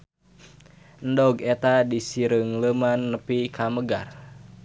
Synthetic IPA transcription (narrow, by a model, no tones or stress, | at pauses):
ndɔɡɛt̪adisiɾəŋləmanːəpikʰaməɡar